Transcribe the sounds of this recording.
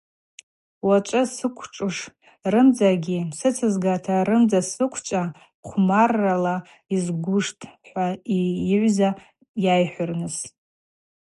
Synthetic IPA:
waʈ͡ʂʷʼɨsɨkʷʰʈ͡ʂʼɨʂ | rɨmd͡zaɡʲisɨt͡sʰɨzɡatʰaɾɨmd͡zasɨkʷʰt͡ʃʼa | qʷʰmarːala | izɡʷʊʂtʼħʷaiʕʷza | jajħʷʊrnɨs

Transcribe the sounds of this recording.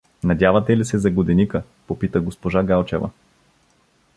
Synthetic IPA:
nɐdʲjavɐt̪ɛlisɛzɐɡod̪ɛnikə | popit̪əɡospoʒaɡalˠt͡ʃɛvɐ̰

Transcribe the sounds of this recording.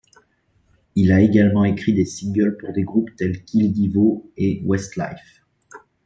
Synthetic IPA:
ilaeɡalmɑ̃ekχid̪esiŋɡœlpuʁd̪eɡʁupt̪ɛlkʲʰild̪ivoewɛst̪la̰jf

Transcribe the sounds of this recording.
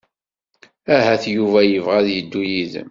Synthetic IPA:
æhæθjuvæjəvʁæðjəd̪ːujiðə̰m

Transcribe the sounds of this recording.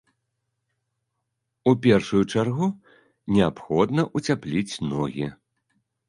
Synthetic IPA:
upʲɛrʂujut͡ʂarɣu | nʲɛapxɔd̪nɐʔut͡sʲaplʲit͡sʲnɔ̰ɣʲi

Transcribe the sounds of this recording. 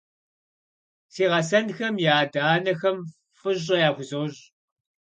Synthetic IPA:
siːʁɐsɐnxɐmjaːdaːnɐxɐm | fɨʑʼɐjaːxʷʊzowʑ

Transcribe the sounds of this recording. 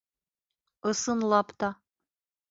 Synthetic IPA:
ɤ̆sɤ̆nlˠɑpt̪ɑ

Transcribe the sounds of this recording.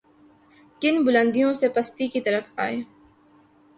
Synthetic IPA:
kɪnbʊlə̃nd̪ijõsepɐst̪ikit̪ɐɾəfaːeː

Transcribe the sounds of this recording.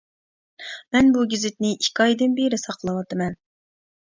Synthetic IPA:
mɛnbuɡʲizɪt̪nɪʔikʲɑjd̪ɨnbeɾɪsɑqlˠəwɑt̪ʰɨmɛn

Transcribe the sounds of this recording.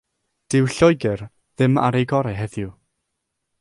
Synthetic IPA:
d̥ɪwɬɔjɡɛr | ðɪma̰ɾejɡɔɾɛɦɛðjʊ

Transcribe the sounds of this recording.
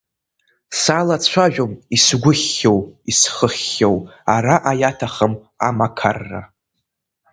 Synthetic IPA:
salat͡sʷʰaʒᶣomisɡʷʊχːowisχəχʲːowaɾaʔajatʰaχəm | a̰makʰa̰rːa̰

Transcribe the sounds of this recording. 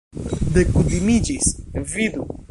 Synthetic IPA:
d̪ekud̪imid͡ʒisvid̪u

